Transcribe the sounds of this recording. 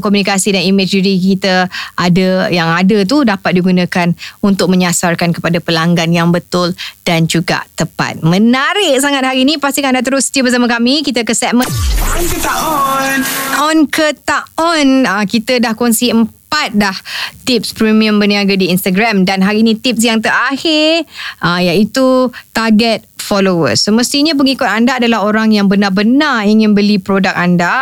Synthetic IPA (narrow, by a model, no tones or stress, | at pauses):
kɔmunikasidaniməd͡ʒdiɾikit̪əʔadəjaŋadət̪̬udapat̪̚diɡunãkanunt̪ʊk̚məɲasarkankəpadapəlaŋɡanjaŋbət̪ʊld̥and͡ʒuɡa̰ʔt̪əpa̰t̪̚mənaɾɪʔ̚saŋat̪̚haɾiːnipast̪ikãdat̪̬əɾʊsə̥t̪iəbərsamakamikit̪əkəsɛmə̃nkət̪aɔnɔnkət̪aɔnəkit̪ədahkɔnsiəmpat̪̚daht̪ip̚spɾimiə̃mbəniaɡadiinst̪aɡɾamdanɦaɾiːnĩt̪ip̚sjaŋt̪əɾahɪrajait̪ut̪aɡɛt̪̚fɔlowə̰səməst̪iɲap̬əŋikʊt̪andaːdalaɦoɾaŋjaŋbənabənariŋɪ̃nbəlipɾodak̚anda